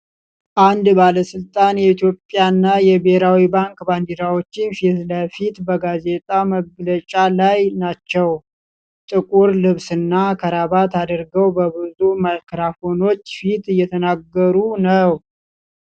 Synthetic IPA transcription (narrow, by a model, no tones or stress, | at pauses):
ʔand̪baləsɨlt̪ʼanjɛit̪jo̞pʼːjanːajɛbeɾawibaŋkband̪iɾawo̞t͡ʃːɪnfit̪ləfit̪bəɡaze̞t̪ʼaməɡlət͡ʃʼalajnat͡ʃːɛw | t̪ʼɨkʼuɾlɨβsɨnːakʰəɾaβat̪ʰad̪əɾɡəwbəbɨzumajkɾafo̞no̞t͡ʃːfit̪ɨjːɛt̪ʰənaɡːəɾunəw